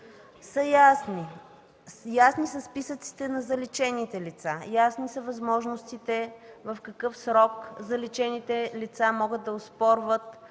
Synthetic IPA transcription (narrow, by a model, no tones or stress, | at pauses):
səjasni | jasnisɐspisət̪si̥t̪ɛnɐzɐlit͡ʃɛnit̪ɛlit̪sajasnisɐvɐzmɔʒnost̪it̪ɛvɐfkɐkɤfsɾɔkzɐlit͡ʃɛnit̪ɛlit̪samɔɡət̪d̪̚d̪ɐʊspɔɾvət̪